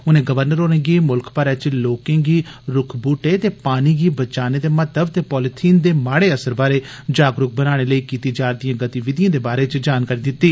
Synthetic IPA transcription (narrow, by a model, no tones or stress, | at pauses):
ʊnẽːɡəʋəɾnəɾoːnẽːɡiːmʊlkpəɾɛːt͡ʃloːkẽːɡiːɾʊkʰbuːʈeːt̪eːpaːniːɡiːbət͡ʃaːneːd̪eːmət̪əbt̪eːpɔːlɪt̪ʰiːnd̪eːmaːɽeːəsəɾbaːɾeːd͡ʒaːɡɾʊk̚bənaːɽ̃eːləiːkiːt̪iːd͡ʒaːɾd̪ijãːɡət̪iːʋɪd̪ijãːd̪eːbaːɾeːt͡ʃd͡ʒaːnkaːɾiːd̪ɪt̪ːiː